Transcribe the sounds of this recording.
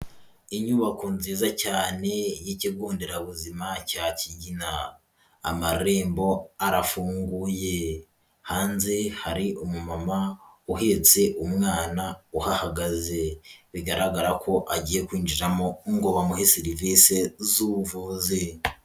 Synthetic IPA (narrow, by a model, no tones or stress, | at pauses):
iɲuβakonziːzacaːne̞jiciɡuːndeɾaβuzimacaːciɟina̰ː | maɾe̞ːmbo̞aɾafuːŋɡuje̞ | haːnzehaɾiumumamauɦe̞t͡se̞ʔumŋaːnauhahaɡazeβiɡaɾaɡaɾakʰo̞ʔaɟiːje̞kwiːnd͡ʒiɾamoŋɡoβamuɦesiɾiviːse̞zuvuze